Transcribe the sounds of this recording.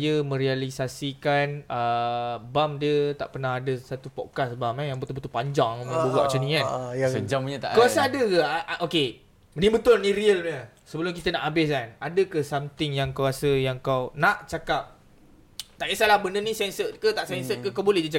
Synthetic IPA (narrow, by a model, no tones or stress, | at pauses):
jəmə̃ɾialisasikanəbamdiət̪aʔpərnahadəsat̪upɔkasbamɛjaŋbət̪ʊlbət̪ʊlpaɲd͡ʒaŋmabəɡa̰ʔt͡ʃunĩkasəɲd͡ʒamɲət̪a̰ʔkəasaadəkəʔʔoke | nibət̪ʊlnĩɾiəlmiə | səbəlʊmkit̪ənaʔabɪskanadəkəsamt̪ɪŋjaŋkuwasəjaŋkawnaʔt͡ʃakap̚ | t̪aʔisalahbənənisɛnsəkət̪aʔsɛnsəkəkawbolɛhdət͡ʃa